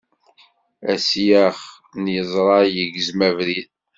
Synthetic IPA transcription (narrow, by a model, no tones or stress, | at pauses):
æsjæχ | njəzˤɾˤɑjəɡzmævɾið